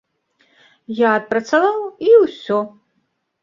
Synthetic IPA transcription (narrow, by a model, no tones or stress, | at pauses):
jaːt̪̚pɾɐt̪savawiwsʲɔ